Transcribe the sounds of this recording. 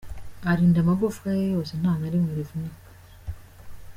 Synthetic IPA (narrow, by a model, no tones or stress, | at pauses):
aɾiːndamaɡofkajejoːsen̥aːnaɾimuɾivunik